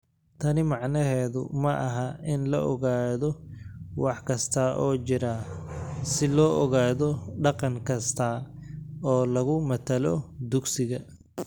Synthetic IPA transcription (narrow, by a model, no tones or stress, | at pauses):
t̪ʰɐnɪmɑʕnɐɦɛːðʊ̰mɐʔɐɦɐɪnlɐʔɔɣaːðɔwɑħkʰɐst̪ʰɐʔɔːt͡ʃɪɾa | sɪlɔːʔɔɣaːðɔɖɑqɑŋkʰɐst̪ʰɐ | ɔːlɐɣʊmɐt̪ʰɐlɔd̪ʊɡsɪɣɐ